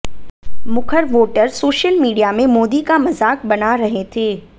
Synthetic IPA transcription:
mʊkʰəɾʋoːʈəɾsoːʃəlmiːɖijamẽmoːd̪ikamɐzaːk̚bɐnaɾɐɦet̪ʰeː

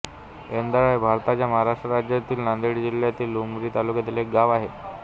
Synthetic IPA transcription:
end̪aɭajbʱaɾt̪at͡ɕjaməɦaɾaʂʈɾəɾad͡ʑjat̪iːlnand̪eɽd͡ʑiljat̪iːlːumɡɾiːt̪alukjat̪ilek̚ɡaʋaɦe

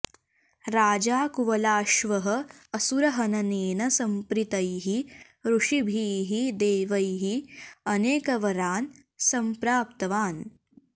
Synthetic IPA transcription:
ɾaːd͡ʒaːkuʋɐlaːʃʋɐɦɐ̆ːsuɾɐɦɐnɐneːnɐsɐmpɾit̪ɐjɦi | ɾuʂibʱiːɦid̪eːʋɐjɦiɐneːkɐʋɐɾaːn | sɐmpɾaːp̚t̪ɐʋaːn

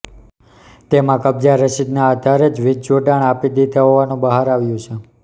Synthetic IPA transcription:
t̪emãkəb̚d͡ʒaɾəʃid̪naːd̪ʱaɾed͡ʒʋɪd͡ʒd͡ʒoɖaɳapid̪it̪ʰaɦoʋanũbəɦaɾaʋjũt͡ʃʰe

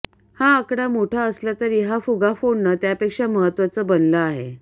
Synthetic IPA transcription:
haːkɽamoʈʰaəslat̪əɾjeɦafuɡʱafoɳːət̪japekʂaməɦət̪ːʋat͡səbənləaɦḛ

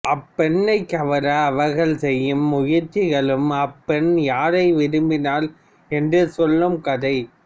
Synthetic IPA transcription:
ʔɐpːɛnːɐɪkːɐʋɐɾɐːʋɐɣɐɭsɛjːɯmːʊjɪɾt͡ʃːɪɣɐɭɯmɐpːɛnjaːɾɐɪʋɪɾɯmbɪnaːl | ɛndrɯsɔlːɯmkɐðɐɪ

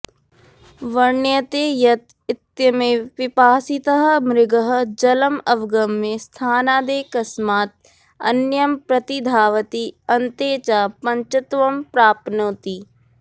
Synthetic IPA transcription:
ʋɐɾnjət̪eːjɐt̪̚ | ɪt̪jɐmẽʋɪpaːsɪt̪əɦəmɾɪɡəɦə̆d͡ʒɐləmɐʋɡɐmːẽst̪ʰaːnaːd̪eːkɐsmaːt̪̚ | ɐ̰njɐmpɾɐt̪id̪ʱaːʋət̪iɐnt̪eːt͡ʃaːpɐ̃ɲt͡ʃɐt̪ʋɐmpɾaːpnoːt̪i

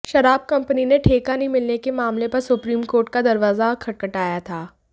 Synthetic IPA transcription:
ʃɐɾaːb̚kɐ̃mpənineʈʰeːkanɐĩmɪlnekemaːmlepɐɾsʊpɾiːmkoːɾʈ̚kad̪ɐɾʋaːzakʰɐʈ̚kəʈaːjat̪ʰaː

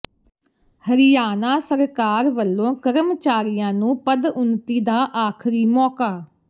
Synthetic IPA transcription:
həɾɪjaːnaːsəɾkaːɾʋəlːõːkəɾəmt͡ʃaːɾɪjãːnũːpəd̪ʊnt̪iːd̪aːʔaːkʰɾiːmɔːkaː

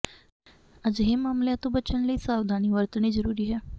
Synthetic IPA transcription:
əd͡ʒɦemaːmljãt̪õbət͡ʃəɳləisaːʋd̪ʱaːniʋəɾt̪nizəɾuːɾiɦɛː

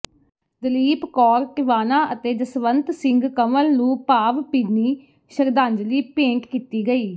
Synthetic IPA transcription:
d̪əliːpkɔːɾʈɪʋaːnaːʔət̪eːd̪əsʋənt̪sɪ̃ŋɡkəməlnũːpaːʋpiːniː | ʃəɾd̪ãːɲd͡ʒliːpẽːŋkkiːt̪iːɡəiː

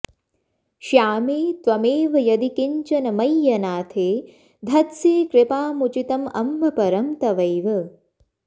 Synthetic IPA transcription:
ʃjaːmeːt̪ʋɐmeːʋɐjɐd̪ikiɲt͡ʃɐnɐmɐjːɐnaːt̪ʰeː | d̪ʱɐt̪siːkɾɪpaːmut͡ʃit̪ɐmɐ̰mbɐpɐɾɐmt̪ɐʋɐjʋɐ

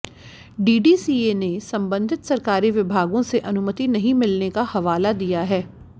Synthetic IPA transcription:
ɖiːɖiːsiːenesɐ̃mbə̃nd̪ʱɪt̪sɐɾkaːɾiʋɪbʱaːɡõseʔɐnʊmət̪inɐɦĩmɪlnekahɐʋaːlad̪ijaɦɛː

